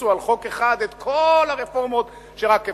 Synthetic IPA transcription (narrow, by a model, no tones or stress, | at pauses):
ualχo̞keχad̪et̪kʰolaʁefo̞ʁmo̞t̪ | ʃeʁakːe